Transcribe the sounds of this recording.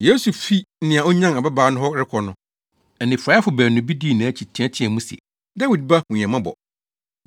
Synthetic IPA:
jeː˦su˨fi˦n̩˦nɪ̃˨a˨o˦ɲã˦na˨ba˦baː˨˦nʊ̃˦ɦɔ˦ɾɪ˦kʰɔ˨nʊ̃˦ | ɛ˨nɪ̃˨fɾa˦fʊ˨bæ˨nʊ̃˨bi˦di˦˨nã˨æ˦˨t͡ɕʰi˨tʰĩ˨˦ã˦tʰɪ̃˦ɛ̃˨mũ˦si˨ɛ̰˨ | da˦wi˨d̚ba˦hʊ̃˨ɲ˨ã˨mã˦bɔ̰˨

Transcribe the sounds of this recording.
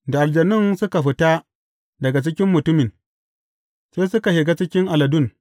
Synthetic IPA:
da˨ʔa˨ld͡ʒɐ˨nɪ˦nsʊ˦ka˨ɸɪ˦ta˦ | dɐ˨ɡa˨t͡ʃɪ˦kʲɪ˦mːʊ˨tʊ˦mɪ˨n | seː˦sʊ˦ka˨ʃɪ˨ɡa˦t͡ʃɪ˦kʲɪ˦ŋʔa˨lɐ˨dʊ˦n

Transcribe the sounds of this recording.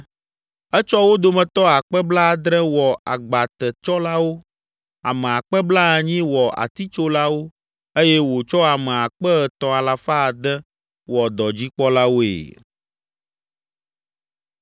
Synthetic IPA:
ɛ˦t͡ʃɔ˦wo˦d̪o˦mɛ̃˨t̪ɔ˦a˨k͡pɛ˦bla˦˨d̪ɾɛ̃˦wɔ˨a̰˨ɡ͡ba˨t̪ɛ˨t͡ʃɔ˦la˦wo˦ | a˨mɛ̃˨a˨k͡pɛ˦bla˦a˨ɲĩ˦wɔ˨ʔa̰˨t̪i˦t͡ʃo˦la˦wo˦ | e˦jɛ˦wo˨t͡ʃɔ˦a˨mɛ̃˨a˨k͡pɛ˦ɛ˨t̪ɔ̃˨a˨la˨fa˦˨d̪ɛ˦ | wɔ˨d̪ɔ˨d͡ʑi˦k͡pɔ˦la˦wo˦ḛ˨

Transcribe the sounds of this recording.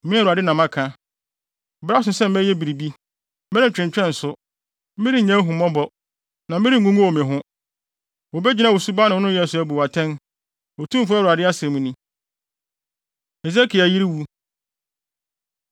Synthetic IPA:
mɪ̃˦˨u˨ɾa˨dɪ˦nã˨mã˦kʰã˦˨ | bɾa˦s̬ʊ˦sɛ˦˨m̩˦mɛ˦jɛ˦bi˨ɾi˨bi˦ | m̩˦mɛ˦ɾɪ̃˦˨t͡ɕᶣɾɪ̃˨ɲ˨t͡ɕᶣɛ̃˦n̩˨sʊ˦ | mĩ˦ɾi˦˨ɲã˦ɦũ˨mɔ̃˦bɔ˦ | nã˨m̩˦ɪ˦ɾi˦ŋ̩˨ɡũ˦ŋũ˦wo˨mɪ̃˨ɦʊ̃˦ | wo˨bɛ˦d͡ʑi˦nã˦wo˨su˦ba˦nɪ̃˨˦nʊ̃˦jɛ˦˨sʊ˨˦æ˨bu˨a˨tʰɛ̃˦n | wo˨tʰũ˦m˦fʊ˦a˦˨wu˨a˨dɪ˦a˦se˨mũ˦nĩ˦ | e˨s̬e˦kʰi˨a˨ji˦ɾi˦wu˦

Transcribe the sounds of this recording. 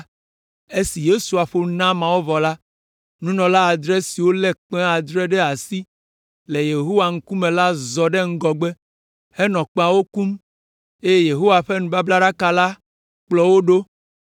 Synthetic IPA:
e˦si˨je˦su˨a˨ɸo˦nã˦mã˨wo˦vɔ˨la˦ | nũ˦nɔ̃˨la˦a˨d̪ɾɛ˦si˨wo˦lɛ˦k͡pɛ̃˦a˨d̪ɾɛ˦ɖɛ˦a˨si˦ | le˨je˨ɦo˦wa˨ŋ̩˦ku˦mẽ˨la˦zɔ˨ɖe˦ŋ̩˦ɡɔ˨ɡ͡be˦ | hɛ˦nɔ̃˨k͡pa˨wo˦ku˦m | e˦je˦je˨ɦo˦wa˨ɸe˦nũ˨ba˦bla˦ɖa˦ka˦la˦ | k͡plɔ˦wo˦ɖo˦

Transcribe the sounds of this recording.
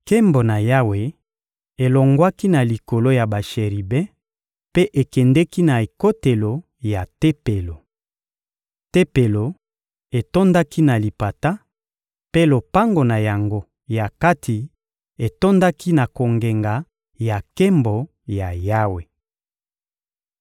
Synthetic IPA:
ke˦mbo˨na˨ja˦we˨ | e˨lo˨ŋɡwa˦ki˦na˨li˨ko˨lo˦ja˨ba˨ʃe˨ʁi˨bɛ˦ | pe˦ʔe˨kɛ˨ndɛ˦ki˦na˨e˨ko˦te˨lo˨ | ja˨te˦pe˨lo˨ | te˦pe˨lo˨ | e˨to˦nda˦ki˦na˨li˨pa˨ta˦ | pe˦lo˨pa˦ŋɡo˨na˨ja˨ŋɡo˦ | ja˨ka˦tʰi˨ | e˨to˦nda˦ki˦na˨ko˨ŋɡe˨ŋɡa˨ | ja˨ke˦mbo˨ | ja˨ja˦we˨

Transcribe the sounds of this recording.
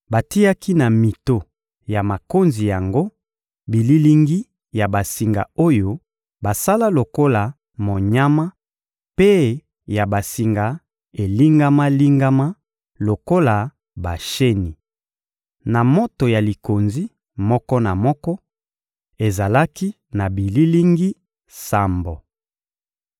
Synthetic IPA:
ba˨ti˦ja˦ki˦na˨mi˨to˨ | ja˨ma˨ko˦nzi˨ja˨ŋɡo˦ | bi˨li˦li˦ŋɡi˦ | ja˨ba˨si˨ŋɡa̰˨o˦jo˦ | ba˨sa˦la˦lo˨ko˦la˨ | mo˨ɲa˦ma˦ | pe˦ | ja˨ba˨si˨ŋɡa˨ | e˨li˦ŋɡa˦ma˦li˦ŋɡa˦ma˦ | lo˨ko˦la˨ | ba˨ʃe˦ni˨ | na˨mo˦to˨ja˨li˨ko˨nzi˦ | mɔ˦kɔ˦na˨mɔ˦kɔ˦ | e˨za˨la˦ki˦ | na˨bi˨li˦li˦ŋɡi˦ | sa˨mbo˨

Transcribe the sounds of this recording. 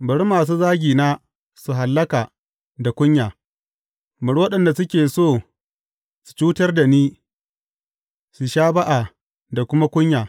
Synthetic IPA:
bɐ˨ɽmaː˨s̬uː˦zaː˦ɡʲiː˨naː˦ | su˨ɦa˨lːɐ˦kaː˨ | da˨kʷʊ˦ɲjaː˨ | bɐ˨ɽwɐ˦ɗɐ˨nda˨sʊ˦kʲeː˨soː˦˨ | su̥˨t͡ʃuː˦tɐ˦rda˨niː˦ | su˨ʃaː˦ba˦ʔa˨ | da˨kʷʊ˦ma˦kʷʊ˦ɲjaː˨

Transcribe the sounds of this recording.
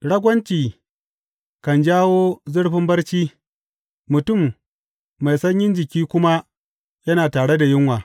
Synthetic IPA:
ɽɐ˦ɡʷɐ˦nt͡ʃiː˨ | kɐ˨nd͡ʒaː˦woː˦zʊ˦ɽɸɪ˦mbɐ˦rt͡ʃiː˦ | mʊ˨tʊ˦˨mː | a˨jsɐ˦ɲjɪ˦nd͡ʒɪ˨kʲiː˦kʷʊ˦ma˦ | jɐ˦naː˨taː˨ɽe˦da˨jɪ˦ŋwaː˨

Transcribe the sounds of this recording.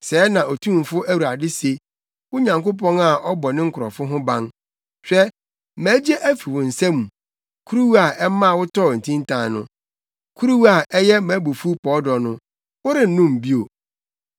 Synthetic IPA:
sɛː˨˦nã˨ʔɔ˨tʰũ˦˨m˨fʊ˦ʔæ˦wu˨ɾa˨dɪ˦se˨ | wʊ˦ɲã˨ŋkʊ˦p̬ʰɔ̃˦na˨ʔɔ˦bɔ˨nɪ̃˦ŋ̩˦kʰʊ˨ɾɔ˨fʊ˦ɦʊ̃˦bã˦n | ɕᶣɛ˦ | mæː˨˦d͡ʑɛ˦ʔæ˦fi˨wʊ̃˨n̩˨sɛ̃˦mũ˨ | kʰu˦ɾu˦wu˦a˨ʔɛ˦mã˦˨wʊ˦tʰɔ˦˨n̩˨tʰĩ˦n˦tʰã˨nʊ̰̃˦ | kʰu˦ɾu˦wa˨ʔɛ˦jɛ˦mæ̃˨˦bu˨fu˦pʰɔ˨˦dɔ˨nʊ̃˦ | wʊ˦ɾɪ˦n̩˨nʊ̃˦˨m˨bi˦o˨

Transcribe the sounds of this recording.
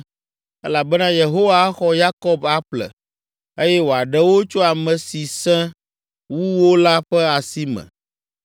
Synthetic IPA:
ɛ˦la˨bɛ˦nã˦je˨ɦo˦wa˦xɔ˦ja˦kɔ˦ba˦ɸlɛ̰˨ | e˦jɛ˦wo˨a˨ɖɛ˦wo˦t͡ʃo˦a˨mɛ̃˨si˨sɛ̃˦ | wu˦wo˦la˦ɸɛ˦a˨si˦mɛ̰̃˨

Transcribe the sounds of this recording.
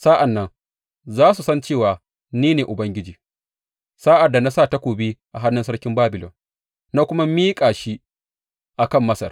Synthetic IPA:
sa˦ʔa˨nːɐ˦ŋ | zaː˦su˨sɐ˦nt͡ʃeː˦˨waː˨ | niː˦neː˨ʔʊ˨bɐ˦ŋɡʲɪ˦d͡ʒiː˨ | saː˦ʔa˨da˨na˦saː˦˨ta˦kʷoː˨biː˦ʔa˨ɦa˦nːʊ˦sɐ˦ɽkʲɪ˦mbaː˦bɪ˨lɔ̰˨n | na˦kʷʊ˦ma˦miː˦kʼaː˨ʃi˦ | ʔa˨kɐ˦˨mːɐ˦sɐ̰˨r

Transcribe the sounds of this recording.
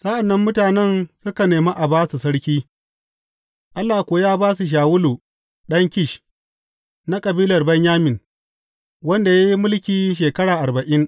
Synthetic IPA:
sa˦ʔa˨nːɐ˦mːʊ˦taː˨nɛ˦nsʊ˦ka˨neː˨ma˦ʔa˨baː˦su˨sɐ˦ɽkʲiː˦ | ʔa˦lːaː˨kʷoː˨jaː˦baː˦su˨ʃ̬aː˨wʊ˦luː˨ | ɗɐ˦ŋkʲɪ˦ʃ | na˦kʼɐ˨biː˦lɐ˨rbɐ˦ɲjaː˦mɪ˨n | wɐ˦nda˨ja˦ji˦mʊ˦lkʲiː˨ʃ̬eː˨kɐ˦ɽaː˨ʔa˨bɐ˨ʔɪ˦n

